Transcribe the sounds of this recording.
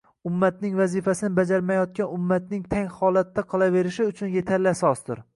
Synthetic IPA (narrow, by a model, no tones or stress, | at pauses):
ʊmːat̪̚nɪŋvazifasɪnɪbad͡ʒaɾmajɒt̪̚kʲanʊmːat̪nɪŋt̪ʰaŋhɒlat̪ːaqʰɨlˠave̞ɾɪʃɪʊt͡ʃʰʊnje̞t̪ʰaɾlɪsɒsd̪ʊ̰ɾ